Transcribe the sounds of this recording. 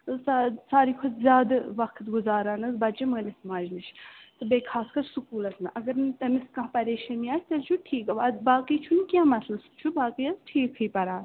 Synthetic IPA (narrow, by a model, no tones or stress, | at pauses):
sasaːɾiːkʰozzʲjaːd̪ɐʋɐkʰt̪ɡʊzaːɾaːnɐzbɐt͡ʃɐməːlʲɪsmaːd͡ʒnɨt͡ʃʰt̪ɨbeːkʰaːskɐɾsukuːlɐt̪ʰnɨʔɐɡɐɾnt̪ɐmɪskɐpɐɾeːʃɐmijaːt͡ʃʰʲt̪ɐlʲt͡ʃʰuʈʰiːkɐʋaːbaːkiːt͡ʃʰunkʲjãːmɐt̪ʰlɐsu̥t͡ʃʰubaːkiɐzʈʰiːkʰɨjpɐɾaːn